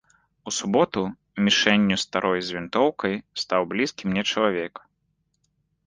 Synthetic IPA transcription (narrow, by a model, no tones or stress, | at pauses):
usubɔt̪u | mʲiʂɛnʲːust̪aɾʔɔjzʲvʲint̪ɔwkɐjst̪awblʲiskʲimnʲɛt͡ʂɐlˠavʲɛk